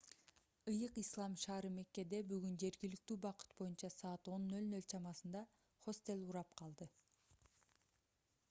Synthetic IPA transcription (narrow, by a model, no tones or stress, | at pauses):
ɯjɯqislˠɑmʃɑːɾɯme̞kːe̞d̪e̞byɡynd͡ʒe̞ɾɡilik̚t̪yːbɑqɯ̥t̪̚bo̞junt͡ʃɑsɑːt̪o̞nːø̞lnølt͡ʃʰɑmɑsɯnd̪ɑ | χo̞st̪e̞lʲˠuɾɑpqʰɑlˠd̪ɯ